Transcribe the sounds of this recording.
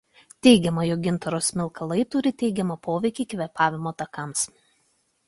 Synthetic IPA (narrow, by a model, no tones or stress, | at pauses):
t̪ʲɛɪɡʲɛmɐjoːɡʲɪnt̪ɐɾoːsmʲɪlˠˑkʰɐlˠɐɪt̪ʊɾʲɪt̪ʲɛɪɡʲɛmɐpʰoːʋʲɛɪkʲiːkʲʋʲɛpɑːʋʲɪmoːt̪ɐkɐms